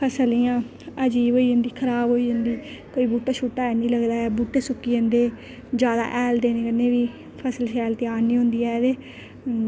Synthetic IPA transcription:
pʰəsəliːjãː | əd͡ʒiːboːiːɦə̃nd̪iːkʰəɾaːbɦoːiːɦə̃nd̪iːkoːiːbuːʈːaːʃuːʈːaːɛːnĩːləɡd̪aːɛːbuːʈːeːsʊkːiːə̃nd̪eː | d͡ʒaːd̪a̰ːʔɛːld̪eːnẽːkənːeːʋiː | pʰəsəlʃɛːlt̪ɪaːɾniːɦõnd̪iːɛːd̪eː

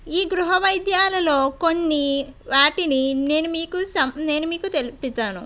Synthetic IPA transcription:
iːɡɾuɦɐʋɐjd̪jaːlɐlo̞ːkonːiʋaːʈinine̞ːnumiːkusɐmne̞ːnumiːkut̪e̞lipit̪aːnu

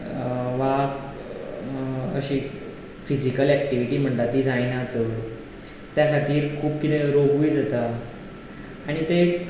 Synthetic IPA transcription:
ʋa | ə̰ɕiː | fid͡ʑikəlɛk̚ʈiʋiʈiːm̤əɳt̪at̪iːd͡zajnat͡so | t̪jakʰat̪iːɾkʰuːbkit̪ẽɾoɡujd͡zat̪a | ɽ̃it̪e

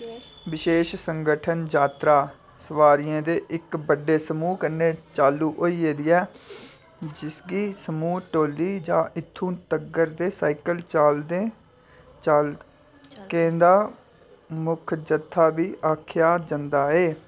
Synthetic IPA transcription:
ʋɪʃeːʃsəŋɡəʈʰənd͡ʒaːt̪ɾaː | səʋaːɾɪjãːd̪eːʔɪkbəɖːeːsəmuːkəneːt͡ʃaːluːʔoːiːeːd̪iːɛː | d͡ʒɪsɡiːsəmuːʈoːlːiːd͡ʒãːʔɪt̪ʰːũːt̪əɡəɾd̪eːsaːikəlt͡ʃaːld̪eː | t͡ʃaːl | kẽːd̪aː | mʊkʰd͡ʒət̪ʰːaːbiːʔaːkʰjaːd͡ʒənd̪aːeː

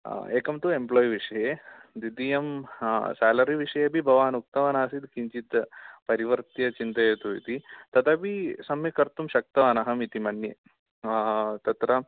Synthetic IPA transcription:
eːkɐmt̪uemploːjiʋiʂɐjed̪id̪ijɐmsaːlɐɾiʋiʂɐjebibʱɐʋaːnuk̚t̪ɐʋɐnaːsid̪kiɲt͡ʃit̪pɐɾiʋɐɾt̪jɐt͡ʃint̪ɐjɐt̪uḭt̪it̪ɐt̪ʰɐbisɐmjɐkɐɾt̪umʃɐk̚t̪ɐʋaːnɐɦɐmit̪imɐɳjɐ | t̪ɐt̪ɾɐ

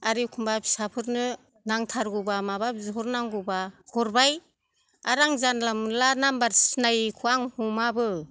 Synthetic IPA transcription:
aɾikʰumbapʰi̥sapʰɯɾnɯ | naŋtʰaɾɡubamabap̚zuɦɔɾnaŋɡubahɔɾbaj | aɾaŋzanlamlanambaɾsnajkʰuaŋhumabɯ

